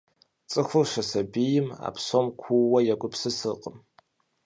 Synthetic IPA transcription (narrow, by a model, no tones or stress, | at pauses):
t͡sʼɨxʷʊrʂɐsɐbijɪma̰ːpsomkʷʰuwɐjɛɡʷʼʊpsɨsɨqʼəm